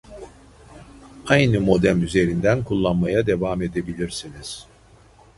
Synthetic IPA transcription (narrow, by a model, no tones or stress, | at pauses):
ajnɯmo̞d̪æmyze̞ɾind̪ænkʰulˠːanmajad̪e̞vame̞d̪e̞bilʲiɾsiniz̥